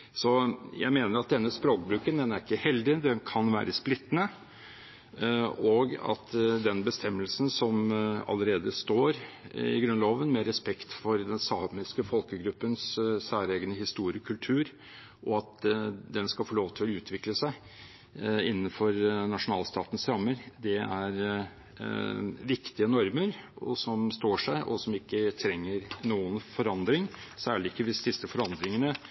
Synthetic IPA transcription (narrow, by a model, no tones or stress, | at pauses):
sɔjæ̰ɪmeːnəɾɑt̪̚d̪ɛnːəspɾoːk̚bɾʉːkənd̪ɛnæɾɪkːəhɛld̪ɪd̪ɛnkʰɑnʋæ̰ːɾəsplɪt̪ːnə | oɡɑ̰t̪d̪ɛnbəst̪ʰɛmːəlsn̩sɔmɑ̰lːəɾeːd̪əst̪oːɾ | ɪ̰ɡɾʉnloːʋənmɛɾɛspɛkt̪fɔɾd̪ɛnsɑːmɪskəfɔlkəɡɾʉpːənssæːɾeːɡənəhɪst̪uːɾɪkʰʉlt̪ʰʉːɾ | ʔɔɑt̪d̪ɛnskɑlfɔɭoːʋt̪ʰɪlʉːt̪ʰʋɪkləsæɪ | ɪnːənfɔɾnɑʂʊnɑːlst̪ɑːt̪nsɾɑmːəɾd̪ɛæɾ | ʋɪkt̪ɪənɔɾməɾɔ̰sɔmst̪oːʂæɪʔɔ̰sɔmɪkːət̪ʰɾɛŋːəɾnuːənfɔɾɑnd̪ɾɪŋsæːɭɪɪkːəʋɪsd̪ɪsəfɔɾɑnd̪ɾɪŋənə